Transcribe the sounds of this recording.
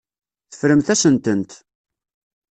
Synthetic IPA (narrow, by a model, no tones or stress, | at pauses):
θə̥fɾəmθæsənt̪ənt̪